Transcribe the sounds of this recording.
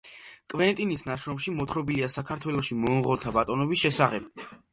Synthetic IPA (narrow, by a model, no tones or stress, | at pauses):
kʼvɛnt̪ʼinisnaʃɾɔmʃimɔt̪ʰɾɔbiliasakʰaɾt̪ʰwɛlˠɔʃimɔnʁɔlˠt̪ʰabat̪ʼɔnɔbisʃɛsaχɛb̥